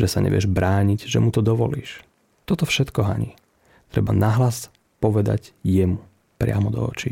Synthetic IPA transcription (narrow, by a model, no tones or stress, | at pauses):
ʒɛsaɲɛ̰ʋɪɛ̰ʒbɾaːɲiɟʒɛmut̪ɔd̪ɔʋɔlḭːʃ | t̪ɔt̪ɔfʃɛt̪kɔɦa̰ɲiː | t̪ɾɛbanaɦlas | pɔʋɛd̪a̰ɟjɛmu | pɾɪamɔd̪ɔ̰ɔ̰t͡ʃi